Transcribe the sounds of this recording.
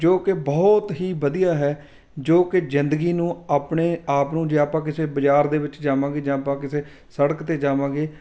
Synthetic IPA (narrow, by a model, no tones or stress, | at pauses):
d͡ʒoːkɪbɔːt̪ɦiːʋəd̪ijaːɦɛː | d͡ʒoːkɪzɪnd̪əɡiːnũːaːpɳeːaːpnũːd͡ʒeːaːpãːk̬ɪseːbəd͡ʒaːɾd̪eːʋɪt͡ʃd͡ʒaːʋãːɡeːd͡ʒãːapãːkɪseː | səɽəkt̪eːd͡ʒaːʋãːɡeː